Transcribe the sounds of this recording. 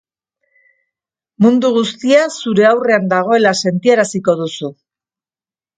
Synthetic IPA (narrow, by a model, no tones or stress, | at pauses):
mund̪uɣ̞ust̪iasuɾe̞awre̞and̪aɣ̞o̞e̞lase̞nt̪ieɾasiko̞ðusu